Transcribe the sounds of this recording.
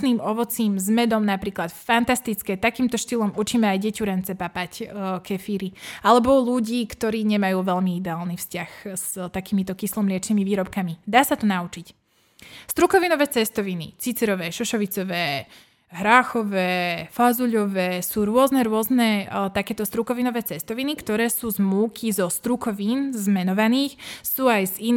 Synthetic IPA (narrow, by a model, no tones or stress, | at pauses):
niːmɔʋɔt͡siːmzmɛd̪ɔmnapɾiːklat̪fant̪ast̪it͡skɛt̪akiːmt̪ɔʃt̪iːlɔmut͡ʃiːmɛajɟɛcuɾɛnt͡sɛpapackʰɛfiːɾialɛbɔluɟiːkt̪ɔɾiːɲɛmajuːʋɛʎmiid̪ɛaːlnifscaxz̥t̪akiːmit̪ɔkislɔmlɪɛt͡ʃniːmiʋiːɾɔpkamid̪aːsat̪ɔnaut͡ʃic | st̪ɾukɔʋinɔʋɛːt͡sɛst̪ɔʋinḭt͡sit͡sɛɾɔʋɛːʃɔʃɔʋit͡sɔʋɛː | ɦɾaːxɔʋɛːfazuʎɔʋɛːsuːɾʊɔznɛɾʊɔznɛt̪akɛːt̪ɔst̪ɾukɔʋinɔʋɛːt͡sɛst̪ɔʋinikt̪ɔɾɛːsuːzmuːkʰizɔst̪ɾukɔʋiːnzmɛnɔʋaniːxsuːajzin